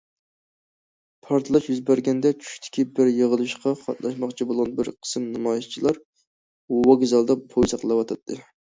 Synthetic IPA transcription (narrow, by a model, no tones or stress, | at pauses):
pʰɑɾt̪ʰɨlˠɑʃjyzbæɾɡʲɛnd̪ɛt͡ʃʰy̥ʃt̪ʰɪ̥kʲʰibɪɾjəʁəlˠɨʃqɑχɑ̰t̪lˠɑʃmɑχt͡ʃʰibolˠʁɑnbɪɾqʰə̥sɨmnɨmɑjist͡ʃʰilˠɑɾ | wɑɡʲzɑlˠd̪ɑpʰojsɑqlˠɑwɑt̪ʰɑt̪ʰːɨ